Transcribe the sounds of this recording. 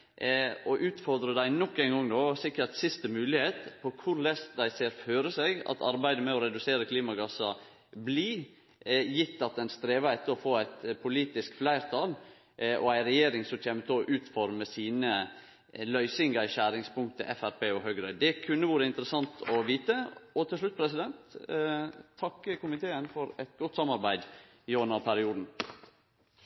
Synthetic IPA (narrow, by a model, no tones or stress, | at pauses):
ɔʔʉːt̪fɔɾd̪ɾəd̪æɪnɔkːæɪnɡɔŋːnoːsɪkːəɾt̪sɪst̪əmʉːlɪheːt̪pʰɔkʰʊɾlɛst̪d̪æɪseːɾføːɾəsɛɡɑ̰t̪ʰɑɾbæɪd̪əmɛɔɾɛd̪ʉseːɾəkʰliːmɑɡɑsɑ | bli | jɪt̪ːɑt̪ɛnst̪ɾeːʋɑɛt̪ːəɾɔfoːæɪt̪pʰʊliːt̪ɪskflæɪɾt̪ʰɑl | ʔɔ̰æɪɾɛjeːɾɪŋsɔmtʰeːmət̪əɔʔʉːt̪fɔɾməsiːnə | lœʏsɪŋɡəɪʃæɾɪŋspʊŋt̪əʔɛfæɾpeːɔɦœɡɾœd̪ɛkʰʉnːəʋuːɾəɪnt̪əɾəsɑnt̪ʰɔʋiːt̪əɔt̪ʰɪlʂɭʉt̪̚ːpʰɾɛsɪd̪ɛnt̪ | ɑkːəkʊmɪt̪ʰeːənfɔɾæt̪ɡɔt̪ːsɑmɑɾbæɪd̪ | ɪɔnɑpʰæɾɪuːd̪n̩